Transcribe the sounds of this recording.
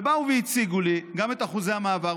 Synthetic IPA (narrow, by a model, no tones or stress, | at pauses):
bauveit͡siɡuliɡame̞t̪aχuzehamaːva